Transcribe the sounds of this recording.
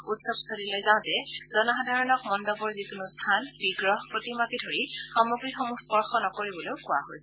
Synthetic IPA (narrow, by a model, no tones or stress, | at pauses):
utsɔbsodilojzaʊ̃tɛ | z̥ɔnɔɦadʱaɹɔnɔk̚mɔndɔbɔɹzikunustʰanbiɡɹɔɦpɹotimakidʱoɹi | xɔmuɡɹixɔmukspɔɹxɔnɔkoɹibɔloʊkʊwa̰ɦojsɛ